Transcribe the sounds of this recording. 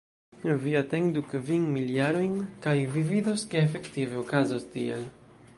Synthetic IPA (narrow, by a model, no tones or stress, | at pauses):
viat̪eŋd̪ukviŋmiljaɾojnkajvivid̪oskeːfe̞kt̪iveokazost̪iḛl